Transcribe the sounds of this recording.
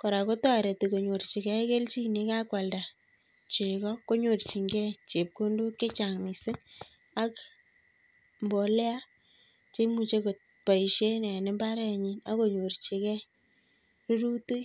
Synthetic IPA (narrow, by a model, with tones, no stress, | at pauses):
kɔ˨ɾa˨ko˦ta˦˨ɾe˨ti˨ko˨ɲo˨ɾt͡ʃi˨kɛ˦ke˦lt͡ʃi˦kni˨˦ka˦kwa˨lda˨ | t͡ʃe˨kɔ˦ko˦ɲo˨rt͡ʃi˨ŋɡɛ˦t͡ʃe˨p̚ko˦ndo˦ke˦t͡ʃa˨ŋmi˨sɪ˦ŋ | a˦k | mbɔ˨lɛ˦a˦ | t͡ʃe˦mu˨t͡ʃe˦ko˨t | pa˨i˨ʃe˦nɛ˨nɪ˦mba˦ɾɛ˦˨ɲi˦na˦ko˨ɲo˨rt͡ʃe˨kɛ˦ | ru˦ɾu˦ti˦